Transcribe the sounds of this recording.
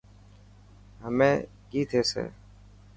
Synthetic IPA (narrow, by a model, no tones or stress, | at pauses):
ɦəmẽː | ɡiːt̪ʰeːsḛː